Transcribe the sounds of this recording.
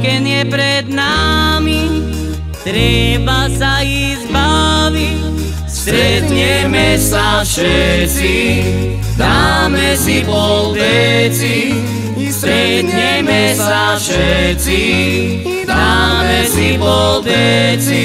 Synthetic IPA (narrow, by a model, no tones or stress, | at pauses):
kɛnɪjɛpɾɛd̪nami | t̪ɾɛbasaiɣzbaʋic | st̪ɾɛd̪ɲɛmɛst̪afʃɛt͡si | d̪amɛsipɔd̪ɛt͡si | st̪ɾɛd̪ɲɛmɛsafʃɛt͡si | d̪amɛsipɔd̪ɛt͡si